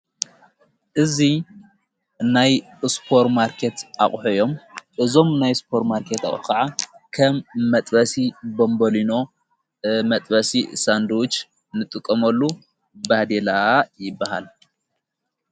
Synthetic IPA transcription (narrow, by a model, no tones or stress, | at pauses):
ʔɨzi | naj | spʰo̞ɾmaɾkʰet̪ʔa̰χʼħojo̞mʔɨzo̞mnajspʰo̞ɾmaɾkʰet̪a̰χʼħukʰaʕakʰɐmːɐt̪ʼbɐsibombolino̞ | mɐt̪ʼbɐsisand̪uwʊt͡ʃ | nɨt̪ʼɨkʼːɐmɐlːu | bad̪elajɪbːaha̰l